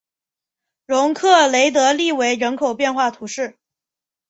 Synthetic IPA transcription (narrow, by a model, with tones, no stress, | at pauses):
ɻʊ˧˥ŋkʰɤ˥˩le˧˥ɪt̪ɤ˧˥li˥˩we˧˥ɪɻə˧˥nkʰo˨˩ʊpjɛ˥˧nxwa˥˩t̪ʰu˧˥ʂɻ̩˥˩